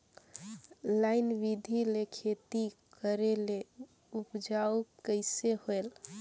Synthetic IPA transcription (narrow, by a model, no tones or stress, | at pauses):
lajnʋid̪ʱilekʰet̪ikəɾele | upd͡ʒaukəɪseɦoel